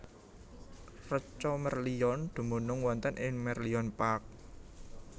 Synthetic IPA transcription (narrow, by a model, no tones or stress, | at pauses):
rət͡ʃɔmərliɔnd̪̥ṳmonʊŋwɔnt̪ənʔɪŋmɛrliɔnpak̚